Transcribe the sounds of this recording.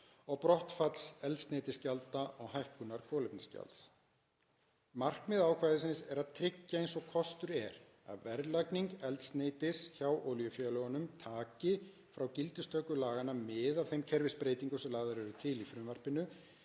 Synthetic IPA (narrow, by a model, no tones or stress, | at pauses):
ɔɣpɾɔht̪fat̪l̥sɛlt̪sneːjt̪ɪscalt̪aʔɔɣhajhkʏnaɾ̥kʰvɔːlɪpnɪsca̰lt̪s | mar̥kmɪðaːwkʰvaːjðɪsɪnsɛɾaðt̪ʰɾɪcːaejnsɔɣkʰɔst̪ʏɾɛ̰ɾ | a̰ðvɛɾlakniŋkɛlt̪st̪neːjt̪ɪsçawʔoːwljʏfjœːlœɣanʏmt̪ʰaːcɪ | fɾawcɪlt̪ʏst̪œkʏlaːɣanːamɪðav̥θejmcʰɛɾvɪspɾeːjt̪iŋkʏsɛmlaːɣðaɾʏvɪt̪ʰɪlifɾʏmvar̥pɪnʏ